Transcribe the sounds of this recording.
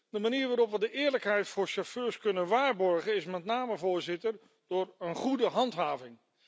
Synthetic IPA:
dəmaniːɹʋaːɾɔpʋədəʔɪːɹləkɦɛjtfʊːɹʃoføːɹskɵnənʋaːɹbɔɹχənɪsmɛtnaːməvʊːɹzɪtəɹ | d̥ʊːɹənχudəɦɑntɦaːvɪŋ

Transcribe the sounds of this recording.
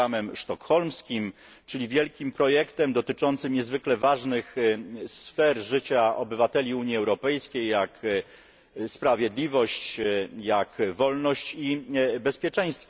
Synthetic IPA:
amɛmʂt̪ɔkxɔlmskʲim | t͡ʂɘlʲivʲjɛlkʲimpɾɔjɛkt̪ɛmd̪ɔt̪ɘt͡ʂɔnt̪sɘmɲɛzvɘklɛvaʐnɘxsfɛɾʐɘt͡ɕaɔbɘvat̪ɛlʲiuɲiɛwɾɔpɛjskʲejːak | spɾavʲjɛd̪lʲivɔɕt͡ɕjakvɔlnɔɕt͡ɕibɛspʲjɛt͡ʂɛ̃j̃st̪f

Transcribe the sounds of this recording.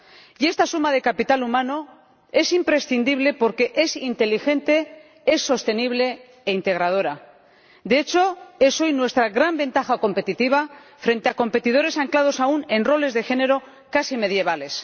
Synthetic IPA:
je̞st̪asumaðe̞kapit̪alumãno | e̞simpɾe̞sθind̪iβ̞le̞po̞ɾke̞ʔesint̪e̞lixe̞nt̪e̞ | e̞sːo̞st̪e̞niβle̞ː | int̪e̞ɣ̞ɾað̞o̞ɾa | d̪eet͡ʃo̞e̞so̞jnwe̞st̪ɾaɣɾambe̞nt̪axako̞mpe̞t̪it̪iβ̞afɾe̞nt̪e̞ako̞mpe̞t̪ið̞o̞ɾe̞saŋklað̞o̞saune̞nro̞le̞zðe̞xe̞ne̞ɾo̞ | kasime̞ðje̞β̞ale̞s

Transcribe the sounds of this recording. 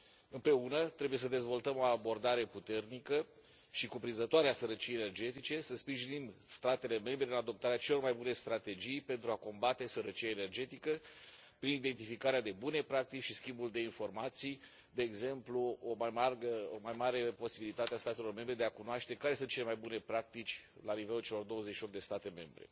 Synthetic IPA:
ɨmpɾe̞unət̪ɾe̞buje̞s̬əd̪e̞zvo̞lt̪əmo̞abo̞rd̪aɾe̞put̪e̞rnikə | ʃikupɾinzət̪oaɾeasəɾət͡ʃijene̞rd͡ʒe̞t̪it͡ʃe̞səspɾiʒinimst̪at̪e̞le̞me̞mbɾe̞ɨnad̪o̞p̚t̪aɾeat͡ʃe̞lo̞rmajbune̞st̪ɾat̪e̞d͡ʒijpe̞nt̪ɾuako̞mbat̪e̞səɾət͡ʃiaene̞rd͡ʒe̞t̪ikə | pɾinid̪e̞nt̪ifikaɾead̪e̞bune̞pɾak̚t̪it͡ʃʃiskʲimbuld̪e̞info̞rmat̪sij | d̪e̞ːɡze̞mpluomajmarɡəomajmaɾe̞po̞sibilit̪at̪east̪at̪e̞lo̞rme̞mbɾe̞d̪eakunoaʃt̪e̞kaɾesɨnt̪t͡ʃe̞le̞majbune̞pɾak̚t̪it͡ʃʲlanive̞lult͡ʃelo̞rd̪o̞wəzeʃiop̚t̪̚d̪est̪at̪e̞me̞mbɾe̞̰

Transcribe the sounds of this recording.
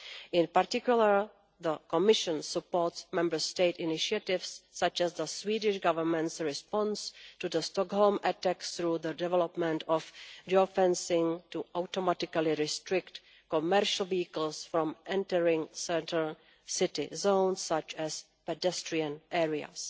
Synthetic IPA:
ʔɪ̃npaɾtɪkjuləɹ | ðəkɔmɪʃə̃nsəpoɹtsmɛ̃mbə˞steɪtɪnɪʃiatɪfsːat͡ʃɛsðəswiːdɪʃɡavəɹmɛ̃ntsɹɪspɔ̃nstud̪əstɔkɦolmɛtaksθɾuːd̪ədɛvɛlɔpmɛ̃ntɔfdiofɛ̃nsɪ̃ŋtuʔawtomatɪkalɪɾɪstɾɪkt | komɛɾʃəl̩viikəl̩sfɾɔ̃mʔɛ̃ntəɹɪ̃ŋsɛtəɹ | sɪtɪ̰zõwnsːat͡ʃɛs | pɛdɛstɹiãnʔɛːɹia̰s

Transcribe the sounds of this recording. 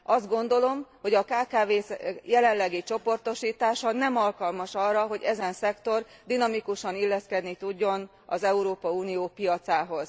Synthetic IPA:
ɒzd̪ɡo̞n̪d̪o̞lo̞mho̞ɟɒkaːkaːveːsjɛlɛnlːɛɡit͡ʃo̞po̞rt̪o̞ʃiːt̪aːʃɒnɛmɒlkɒlmɒʃɒrːɒɦo̞ɟɛzɛnsɛkt̪o̞rd̪inɒmikuʃɒnilːɛskɛd̪nit̪uɟːo̞n | ɒ̰zɛuɾoːpɒuːnijoːpijɒt̪saːɦo̞z̥

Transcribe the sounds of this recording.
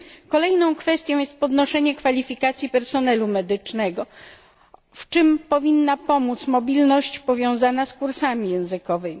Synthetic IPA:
kɔlɛjnɔ̃w̃kfɛst̪ʲjɔ̃w̃jɛst̪̚pɔd̪nɔʂɛɲɛkfalʲifʲikat̪sʲjipɛɾsɔnɛlumɛd̪ɘt͡ʂnɛɡɔ | ft͡ʂɘmpɔvʲinːapɔmut̪smɔbʲilnɔɕt͡ɕpɔvʲjɔ̃w̃zanaskuɾsamʲijɛ̃w̃zɘkɔvɘmʲi

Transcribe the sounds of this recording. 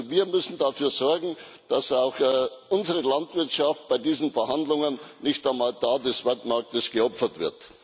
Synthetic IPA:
viːɐmʏsn̩dafyːɐzɔɐɡŋ̩ | d̥asaʊxʔʊnzəʁəlantv̥ɪɐtʃaft̚b̥aɪdiːzn̩fɛɐhandlʊŋənːɪçtaɪmaːltʰaːdɛsv̥ɛltmaɐk̚təsɡ̥əɔpfɐtv̥ɪɐt

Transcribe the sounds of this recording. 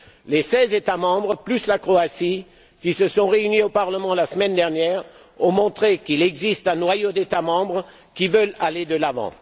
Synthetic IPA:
lesɛzet̪amɑ̃bʁəplyslakχoasi | kʲisəsɔ̃ʁeyniopaʁləmɑ̃lasəmɛnd̪ɛʁnjɛːʁ | ɔ̃mɔ̃t̪χekilɛɡzist̪ɛ̃nwajod̪et̪amɑ̃bʁ | kʲivəlaled̪əlavɑ̰̃

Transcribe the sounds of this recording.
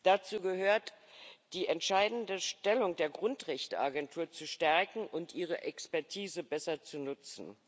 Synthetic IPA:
d̥at͡suːɡəhøːɐtd̥iːʔɛntʃaɪdn̩dəʃtɛlʊŋdeːɐɡʁʊntʁɛçtəʔaɡɛntʰuːɐt͡suʃtɛɐkŋ̩ʔʊntʔiːʁ̞əʔɛkspɛɐtʰiːzəbɛsɐt͡sunʊt͡sn̩

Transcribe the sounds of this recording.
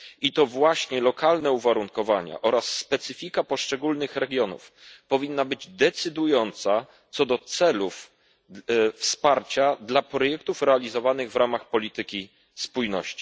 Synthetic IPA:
it̪ɔvwaɕɲɛlɔkalnɛuvaɾuŋkɔvaɲɛ̰ʔɔɾasːpɛt̪sɘfʲikapɔʂt͡ʂɛɡulnɘxɾɛɡʲjɔnṵfpɔvʲinːabɘd͡ʑd̪ɛt̪sɘd̪ujɔnt̪sa | t̪sɔd̪ɔt̪sɛluf | fspaɾt͡ɕad̪lapɾɔjɛk̚t̪ufɾɛalʲizɔvanɘɣvɾamaxpɔlʲit̪ɘkʲi | spujnɔ̰ɕt͡ɕi̥

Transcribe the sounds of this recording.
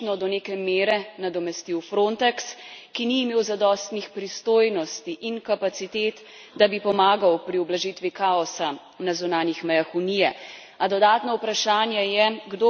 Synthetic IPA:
nɔd̪ɔneːkɛmeːɾɛnad̪ɔmɛst̪iwfɾont̪ɛkskiniːmeːwzad̪ɔst̪nixpɾist̪oːjnɔst̪iʔiŋkapat̪sit̪eːt̪ | d̪abipɔmaːɡawpɾiɔblaʒit̪ʋikaɔsa | nazunaːnjixmɛjaxunijɛ | ad̪ɔd̪aːt̪nɔupɾaʃaːnjɛjɛɡd̪o

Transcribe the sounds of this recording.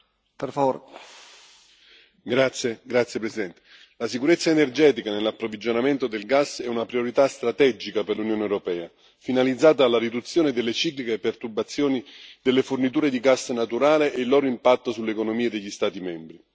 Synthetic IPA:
perfavoɾ | ɡɾat̪sjeɡɾat̪sjepɾesid̪ɛnt̪e̥ | lasikuɾet̪sːaenerd͡ʒɛːt̪ikanelːapːɾovid͡ʒonament̪od̪elɡasːɛunapɾioɾit̪ast̪ɾat̪ɛd͡ʒikaperlunjoːnewɾopɛːa | finalid̪zaːt̪aːlːaɾid̪ut̪sːjoːned̪elːet͡ʃiːklikepːert̪urbat̪sːjoːnid̪elːefornit̪uːɾed̪iɡasːnat̪uɾaːleʔːlːɔːɾoimpat̪ːosulːekonomiːad̪eʎːist̪aːt̪imɛmbɾi

